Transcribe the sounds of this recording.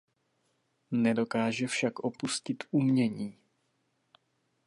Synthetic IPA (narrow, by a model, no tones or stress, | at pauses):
nɛdo̞kaːʒɛfʃakʔo̞puscɪt̪umɲɛɲiː